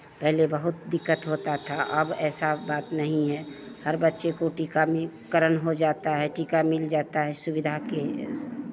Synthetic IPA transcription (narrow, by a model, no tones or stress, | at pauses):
pɛɦlebəɦʊt̪̚d̪ɪkːət̪ɦoːt̪at̪ʰaʔɐbɛːsabaːt̪nəɦĩɦɛ | həɾbətːʃekoʈiːkamkəɾənɦod͡ʒaːt̪aɦɛʈiːkamɪld͡ʒaːt̪aɦɛsʊbɪd̪ʱake